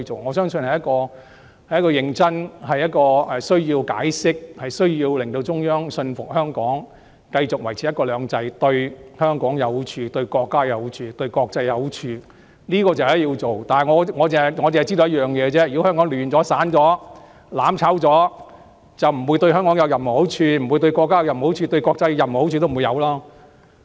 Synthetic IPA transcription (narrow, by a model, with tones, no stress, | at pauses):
t͡so˨wŋɔː˨˧˥sœː˥ŋsɵ˧nhɐ˨jɐ˥t̚kɔː˧ | hɐ˨jɐ˥kɔː˧jɪ˧ŋt͡sɐ˥nhɐ˨jɐ˥t̚kɔː˧ɛ˨sɵ˥ɥjiː˧wka̰ː˨˥jsɪ˥k̚hɐ˨jsɵ˥ɥjiː˧wlɪ˨˩ŋt̪o˧wt͡sʊ˥ŋjœː˥ŋsɵ˧nfʊ˨k̚hœː˥ŋkɔː˨˥ŋ | kɐ˧jt͡sʊ˨k̚wɐ˨˩jt͡sʰiː˨˦jɐ˥kɔː˧lœː˨˧ŋt͡sɐ˧jt̪ɵ˧ɥhœː˥ŋkɔː˨˥ŋjɐ˨˧wht͡ʃʰyː˧t̪ɵ˧ɥkɔː˧kːaː˥jɐ˨˧wht͡ʃʰyː˧t̪ɵ˧ɥkɔː˧k̚t͡sɐ˧jːɐ˨˧wt͡ʃʰyː˧ | niː˥kɔː˧t͡sjiː˧wt͡so˨˩wt̪aː˨nɐ˨˩ŋɔː˨˧ŋɔː˨˧t͡sːŋɔ˨˧eː˨ɐ˨ji˥o˧˦jɐ˥jœː˨˩ŋjɛː˨˧t͡sɛː˥jy˨˥whœː˥ŋkɔː˨˥ŋlyː˨˩nt͡sɔː˨˥saː˨˥nt͡sɔː˨˥ | laː˨˥mt͡sʰa˨˥wt͡sɔː˨˥ | t͡sɐ˨wm̩˨˩wuː˧jt̪ɵ˧ɥhœː˥ŋkɔː˨˥ŋjɐ˨˧wjɐ˨˩mo˨˩o˨˥wt͡ʃʰyː˧m̩˨˩wu˨˧t̪ɵ˧ɥkɔː˧kːaː˥jɐ˨˧jɐ˨˩m˨ho˨˥wt͡ʃʰyː˧t̪ɵ˧ɥkɔː˧k̚t͡sɐ˧jːɐ˨˩m˨˦˥t͡ɕʰy˧t̪o˥mː˨˩˨jɐ˨˧wlaː˥